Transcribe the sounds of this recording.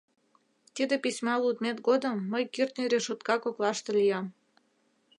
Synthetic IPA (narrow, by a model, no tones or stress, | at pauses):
t̪id̪episʲmɑlud̪met̪ɡod̪ə̆mːəjkirt̪nʲiɾeʃut̪kɑkoklɑʃt̪ĕlʲijɑm